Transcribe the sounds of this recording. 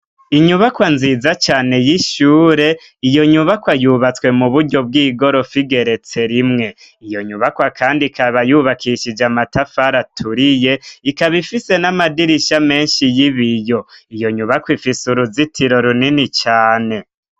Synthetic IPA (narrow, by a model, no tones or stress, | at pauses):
iɲuβakwanziːzat͡ʃaːne̞jiʃuːɾe̞ | ijo̞ɲuβakwajuːβat͡swe̞muβuɾɟo̞b̚ɡiːɡo̞ɾo̞fiɡe̞ɾe̞t͡se̞ɾimŋe̞ | ijo̞ɲuβakwakʰaːndikʰaβajuβakʰiʃid͡ʒamatafaɾatʰuɾije̞ikaβifise̞namadiɾiʃame̞ːnʃijiβijo̞ijo̞ɲuβakwifisuɾuzitʰiɾo̞ɾuninit͡ʃaːne̞